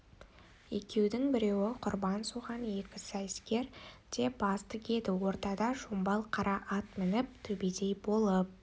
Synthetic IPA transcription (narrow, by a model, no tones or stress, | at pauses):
e̞kʲe̞wd̪ɪŋbɪɾe̞wɪqʰʊɾbɑnsuʁɑnje̞kʲɪsæjskʲe̞ɾd̪̥e̞bɑst̪ʰɪkʲe̞d̪ɪwo̞ɾt̪ɑd̪ɑʃombɑlˠqʰɑɾɑʔɑt̪mɪnɪp̚t̪ʰɵbed̪e̞jbo̞lˠəp̚